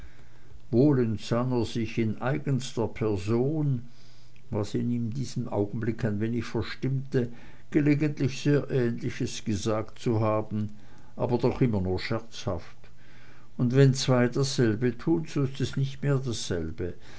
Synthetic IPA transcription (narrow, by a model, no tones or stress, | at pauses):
voːlɛntsaneɐzɪçɪnʔaɪɡənstəpʰɛɐzoːn | vasiniːmdiːz̥əmʔa̰ʊɡn̩blɪkʰaɪnveːnɪçfɛɐʃtɪmtə | ɡ̥əleːɡəntlɪçz̥eːɐʔɛːnlɪçəsɡ̥əzaːktt͡suɦaːbn̩ | ʔa̰ːbɐdɔχʔɪmɐnuːɐʃɛɐt͡sha̰ft | ʊndvɛnt͡sv̥aɪdasz̥ɛlbətʰuːnzoːɪstɛsnɪçtmeːɐdasz̥ɛlbə